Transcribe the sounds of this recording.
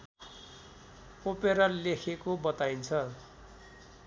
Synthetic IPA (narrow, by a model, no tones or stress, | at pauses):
opeɾʌlekʰekobʌt̪aint͡sʰʌ